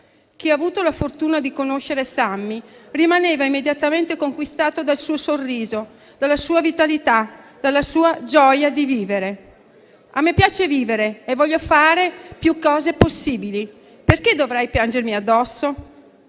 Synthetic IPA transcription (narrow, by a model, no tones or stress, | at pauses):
k̟iavuːt̪olafort̪uːnad̪ikonoʃːeɾesamːirimaneːvaimːed̪jat̪ament̪ekoŋkwist̪aːt̪od̪alsuːosorːiːzo | d̪̥alːasuːavit̪alit̪ad̪̥alːasuːad͡ʒɔjad̪iviːveɾe | amːepːjaːt͡ʃeviːveɾeevːɔʎːofaːɾepjukːɔːzeposːiːbili | perked̪ovɾajpjand͡ʒermiad̪ːɔsːo